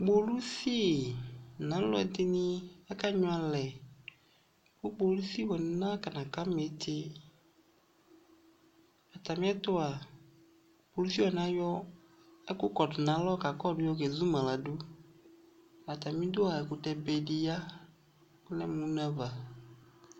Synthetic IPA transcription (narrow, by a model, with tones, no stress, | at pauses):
ɡ͡bo˨lu˦si˦˨nã˨˦lɔ̰˦ɛ˨d̪ɪ˦nĩ˦ɛ˦ka˦ɲɔ̃˦a˨lɛ˨ | bʊ˦ɡ͡bo˨lu˦si˦wɔ˨nɪ˨nã˦ka˨nã˨ka˦me˨˦t̪ʰɪ˦ | a˨t̪a˨mĩ˦ɛ˦t̪ʊ˦a˨ | bo˨lu˦si˦wɔ˨nã˦jɔ˦ | ɛ˦kʊ˦kɔ˨dʊ˨nã˨˦lɔ˦ka˨kɔ˦˨dʊ˦jɔ˦kɛ˨zu˦mã˨la˨dʊ˦ | a˨t̪a˨mĩ˦d̪ʊ˦a˨ɛ˨kʊ˨tɛ˨bɛ˨dɪ˨ja˦ | klɛ˦mũ˦nã˦va˨